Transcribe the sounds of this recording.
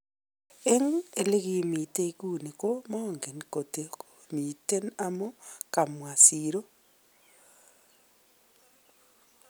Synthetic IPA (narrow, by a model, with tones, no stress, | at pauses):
e˦ŋe˨le˦ɣi˦mi˨te˦ku˦˨ni˨ko˦ma˦˨ŋɡe˨nko˨te˨omi˨te˦na˦mo˦ka˨mwa˨si˨ɾo˦